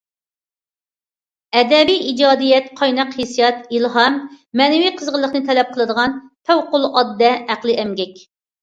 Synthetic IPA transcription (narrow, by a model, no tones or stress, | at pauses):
ɛd̪ɛbijid͡ʒɑːd̪ijɛt̪qʰɑjnɑqhesijɑt̪ilɦɑmː | ɛnɛwiqʰəzʁəlˠːəχnɨt̪ʰɛlɛp̚qʰəlˠɨd̪əʁɑnp̪ʰæwqʊlˠɑd̪ːɛæqlˠɨʔɛmɡʲɛkʲ